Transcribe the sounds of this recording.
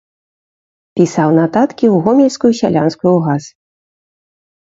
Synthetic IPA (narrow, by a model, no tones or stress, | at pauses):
pʲisawnat̪at̪kʲiwɣɔmʲilʲskujusʲa̰lʲanskujuɣaz